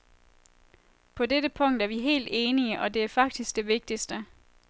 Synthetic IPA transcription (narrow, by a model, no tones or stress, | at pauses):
pʰɒ̽ded̥əpʰɔ̽ŋ̰d̥æɐʋiɦe̝̰ːld̥e̝ːniəʔɒ̽de̝æɐfɑ̈ɡ̥̚d̥isɡ̥̚d̥e̝ʋe̝ɡ̥̚d̥isd̥ə